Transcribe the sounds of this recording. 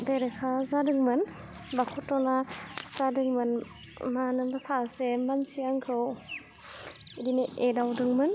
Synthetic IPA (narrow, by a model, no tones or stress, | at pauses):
beɾekʰazadɯŋmɯn | bakʰɔtɔnasadɯŋmɯn | manɯŋbasasemansiaŋkʰɯw | idineʔedawdɯŋmɯn